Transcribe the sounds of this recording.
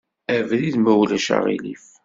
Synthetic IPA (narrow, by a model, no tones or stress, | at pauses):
ævðiðmæwlæʃa̰ʁḭlif